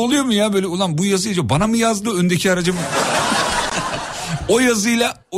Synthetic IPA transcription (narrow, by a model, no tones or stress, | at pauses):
olˠujo̞mujaːbøːlʲɛolˠanbujazɯjlˠd͡ʒabanamɯjazd̪ɯønd̪ecʰiaɾad͡ʒɯm | o̞jazɯjlˠa